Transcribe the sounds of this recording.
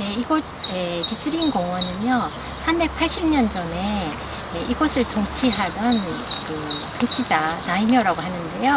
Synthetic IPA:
ne̞iɡʌt̚etis͈ʰɯɾinɡoŋwʌnɯnjʌ | sʰambe̞k̚pʰaɭɕ͈ʰimɲʌnd͡ʑʌne̞ | eʔiɡʌsʰɯɭtoŋt͡ɕʰiɦadʌnkɯtoŋt͡ɕʰid͡ʑanaimjʌɾaɡoɦanɯnde̞jo

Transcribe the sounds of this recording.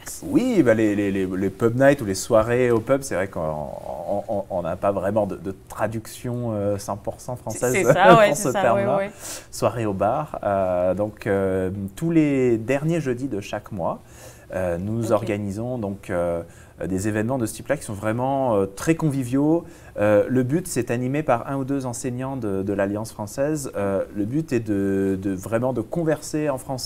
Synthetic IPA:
wibalelelelepœpnajt̪uleswaʁeopœplsɛvʁɛkɔ̰̃ɔ̃ɔ̃napavʁɛmɑ̃d̪əd̪ət̪χad̪yksjɔ̃øsɛ̃puʁsɑ̃fχɑ̃sɛzd̪ɑ̃sət̪ɛʁmlaswaʁeobaːʁød̪ɔ̃køt̪uled̪ɛʁnjeʒød̪id̪əʃakmwa | ønuzɔʁɡanizɔ̃d̪ɔ̃kʰø | d̪ezevɛnmɑ̃d̪əst̪iplakʲi̥sɔ̃vʁɛmɑ̃øt̪χɛkɔ̃vivjo | øləbyt̪sɛt̪animepaʁɛ̃ud̪øzɑ̃seɲɑ̃d̪əd̪əlaljɑ̃sfχɑ̃sɛzøləbyt̪ɛd̪əd̪əvʁɛmɑ̃d̪əkɔ̃vɛʁseɑ̃fχɑ̃s

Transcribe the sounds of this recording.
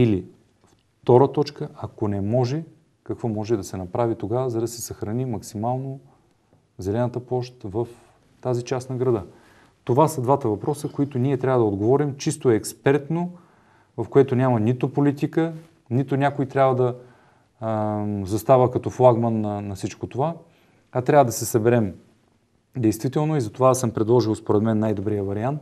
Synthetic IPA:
ili | f | t̪ɔɾət̪ɔt͡ʃkəʔɐkonɛmɔʒɛ | kɐkvɔmɔʒɛd̪ɐsɛnɐpɾavit̪oɡavəzɐd̪ɐsɛsɐxɾɐnimɐksimalˠno | zɛlɛnət̪əplˠɔʃt̪vəf | t̪azit͡ʃasnɐɡɾɐd̪ɤ | t̪ovasəd̪vat̪əvɐpɾɔsəkoit̪oniɛt̪ɾʲabvəd̪ɐod̪ɡovɔɾimt͡ʃist̪oɛːkspɛɾt̪no | vɐfkoɛt̪onʲamɐnit̪ʊpolit̪ikə | nit̪onʲakoit̪ɾʲabvəd̪ɐ | zɐst̪avəkɐt̪ɔflˠaɡmənːɐːɐfsit͡ʃkot̪ova | ɐt̪ɾʲavəd̪ɐsɛsɐbɛɾɛm | d̪ɛjst̪v̥it̪ɛlˠnoizɐt̪ovasɤmpɾɛd̪lˠɔʒilˠspoɾɛt̪mɛnːajd̪obɾijəvɐɾiant̪

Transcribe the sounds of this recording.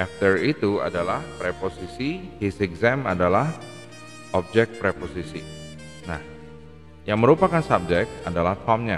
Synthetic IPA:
aft̪ərit̪ua̰dalahpɾeposisihisɛɡzɛmadalah | ʔɔp̚d͡ʒɛk̚t̪̚pɾeposisi | na̰h | jaŋməɾupakansab̚d͡ʒɛk̚t̪adalaht̪ɔmɲa

